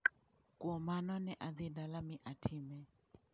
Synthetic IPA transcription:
kwomanɔnɛʔad̪ɪdalamɪʔatʰɪmɛ

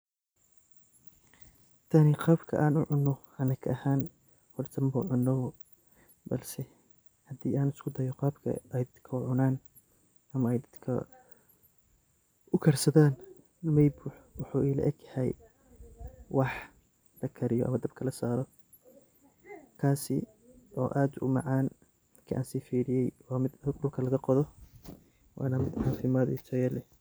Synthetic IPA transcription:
t̪ʰɐnɪqɑːbkʰɐ̰ʔaːnʊʕʊnːɔ | ɐnɐkʰɐhaːn | hɔrt̪ʰɐmbɐʕʊnːɔ | bɐ̰lsɛ | hɐd̪iːʔaːnɪskʰʊd̪ɐjɔqɑːbkʰɐ̰ʔɛjd̪ɐd̪kʰɐʊʕʊnaːn | ɐmɐɛjd̪ɐd̪kʰɐ̰ | ʊkʰɐrsɐðaːn | mɐjbuːħwʊħuːʔiːlɐ̰ʔɛɡjɐhɛj | wɑħ | lɐkʰɐɾɪjɔ̰ʔɐ̰mɐd̪ɐb̚kʰɐlɐsaːɾɔ | kʰaːsɪ̰ | ʔɔːʔaːd̪ʊ̰mɑʕaːn | d̪ɐd̪kʰɐʔa̰ːnsiːfiːɾɪjɛjwɑːmɪd̪ɖʊlkʰɐlɐɣɐqɔðɔ | wɑ̰ːnɐmɪd̪ʕɑːfɪmaːd̪ḭːt͡ʃʰɐjɛlɛ

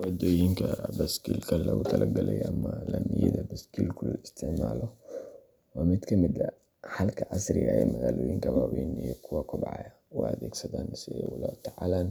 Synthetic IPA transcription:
wɐd̪ɔːjɪŋkʰɐbɐskʰiːlkʰɐlɐwʊt̪ʰɐlʔɐɡɐlɛjʔɐmɐlɐnɪjɛðɐbɐskʰilkʰʊlɔɪst̪ʰɪʕmaːlɔ | wɑmɪd̪kʰɐmɪd̪ɐ | ħalkʰɐʔɐsɾɪaːɛ̰mɐɣaːlɔːjɪŋkʰɐwaːwinijɔkʰʊwɐkʰɔbʕɑjɐ | ʊɐðɛːɡsɐt̪aːnsɪɛwʊlat̪ʰaʕalaːn

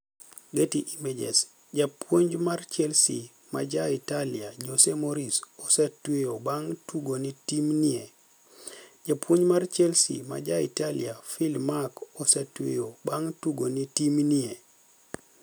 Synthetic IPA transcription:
ɡetiʔimed͡ʒɛ̰s | d͡ʒapwoɲd͡ʒmart͡ʃɛlsi | ma̰d͡ʒaitaliad͡ʒosemoɾisosɛtweobaŋtuɡonitimnie | d͡ʒapwoɲmart͡ʃɛlsḭma̰d͡ʒaḭtalḭafilmakɔsɛtwḛjobaŋtuɡonitimnie

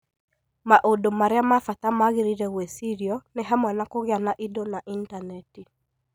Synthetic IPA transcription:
maʔodomaɾɪamafat̪amaɣɪɾiɾɛwesiɾiɔnɪɦamwanakoɣɪanaʔidonaʔintanɛti

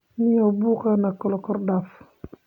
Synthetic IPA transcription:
niɔbukanakɔlɔkɔɾdaf

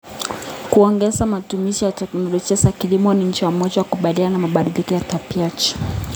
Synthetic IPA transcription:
kuɔŋɡɛzamatumiʃijatɛknɔlɔʄiazakilimɔniɲ̩t͡ʃiwamɔd͡ʒawakuɓaliananamaɓaɗilikɔjatapiat͡ʃi̥

